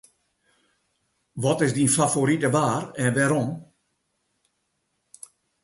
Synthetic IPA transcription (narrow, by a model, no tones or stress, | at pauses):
ʋɔtɪsdinfafoɾitəʋaːrɛnʋɛːɾɔm